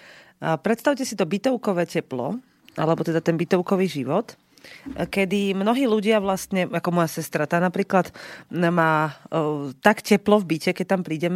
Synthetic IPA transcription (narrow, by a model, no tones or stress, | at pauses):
pɾɛt̪st̪aʊcɛsit̪ɔbit̪ɔʊkɔʋɛːcɛplɔ̰ | ʔa̰lɛbɔt̪ɛd̪at̪ɛnbit̪ɔʊkɔʋiːʒiʋɔt̪ | kɛd̪imnɔɦiːluɟɪaʋlast̪ɲɛakɔmɔjasɛst̪ɾat̪aːnapɾiːklat̪maː | t̪akcɛplɔvbicɛkɛc̚t̪ampɾiːɟɛm